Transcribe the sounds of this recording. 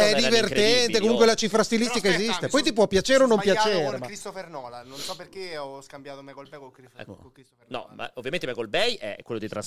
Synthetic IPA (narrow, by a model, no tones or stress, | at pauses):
ɛd̪ivert̪ɛnt̪ekomuŋkwelat͡ʃifɾast̪ilist̪ikaezist̪epɔjt̪ip̬wɔpːjat͡ʃeːɾeonːõmpjat͡ʃeːɾelkɾist̪ofernɔːlanonsɔperkeɔskambjaːt̪omɛkolbɛjkolkɾḭkkɾisonɔ̰ma̰ovːjament̪emɛkolbɛjɛ̰kːwelːod̪it̪ɾas